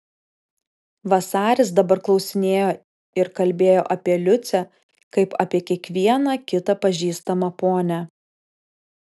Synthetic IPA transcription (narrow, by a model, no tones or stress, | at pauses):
ʋɐsɑːɾʲɪs̬d̪ɐbɐɾklˠɒʊsʲɪnʲeːjoː | ɪɾkɐlʲbʲeːjoːʔɐpʲiɛlʲʊt̪sʲɛ | kɐɪpɐ̰pʲiɛkʲiɛkʋʲiɛnɐkʲɪt̪ɐpɐʒʲiːst̪ɐmɐpoːnʲæ